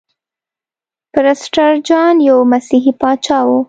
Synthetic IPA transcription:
pɪɾasʈaɾd͡ʒɑnjawmasiɦipɑt͡ʃɑwu

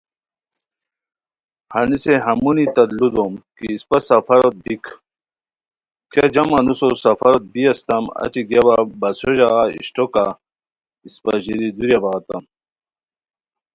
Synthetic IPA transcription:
hɐniseɦɐmunit̪ɐd̪lud̪omkiːspɐsɐfɐɾot̪̚bikʰ | kʰjad͡ʑɐmɐnusosɐfɐɾot̪̚biɐst̪ɐmɐ̰t͡ɕiɡjaβabɐsoʑaɣaḭɕʈoka | ispɐ̰ʑiɾid̪uɾjabɐɣɐt̪ɐm

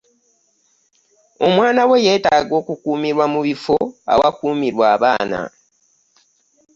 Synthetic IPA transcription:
o̞mwaːnawe̞je̞ːtaːɡo̞ːkukuːmiɾwamuβifo̞a̰wakuːmiɾwaːβaːna̰

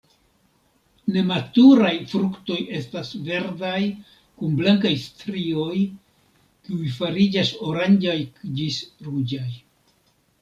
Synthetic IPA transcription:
ne̞matuɾajfɾukto̞je̞stasve̞ɾdaj | kunblaŋkajstɾio̞j | kiujfaɾid͡ʒaso̞ɾand͡ʒajd͡ʒisɾud͡ʒaj

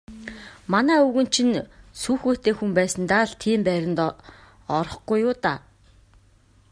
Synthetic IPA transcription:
manæːuɣɵ̆nt͡ɕʰĭnsuːxoːt̪eːxumpæːsə̆nt̪aːɮt̪ʰiːmpæːɾʲɪ̆nt̪ | ɔɾɞ̆χɡujːʊːt̪a̰

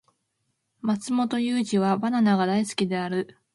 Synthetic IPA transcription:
mat͡sɨmo̞t̪o̞jɯːʑiβabananaɡad̪aisɨ̥kʲid̪e̞aɾɯ̟

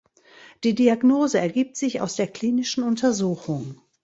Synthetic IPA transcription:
d̥iːdiaɡnoːzəɛɐɡiːp̚tz̥ɪça̰ʊsd̥eːɐkl̥iːnɪʃn̩ʊntʰɐzuːxʊŋ

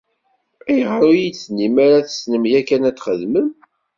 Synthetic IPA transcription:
æjʁɾujit͡sːnimaɾaθə̥snəmjækːænæt͡sːχəðməm

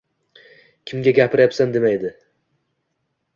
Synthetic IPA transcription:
kʲʰɪmɡʲaɡʲapʰɪɾjapsand̪e̞majed̪ɪ

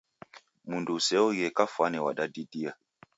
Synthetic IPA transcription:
mundusɛɔjɛkafwanɛwa̰ɗadidia

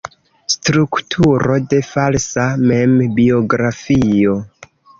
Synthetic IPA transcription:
stɾuktʰuɾo̞de̞falsame̞mbio̞ɡɾafio̞

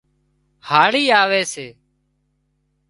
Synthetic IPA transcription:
haːɭiːaːʋeːseː

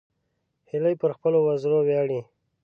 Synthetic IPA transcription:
hɪləjpəɾxpəlowazɾowjɑɽi

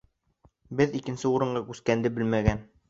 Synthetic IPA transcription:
bɘðikɘ̆nsɘuɾɤ̆ɴɢɑkʉskænd̪ɘbɘ̆lmæɡæn

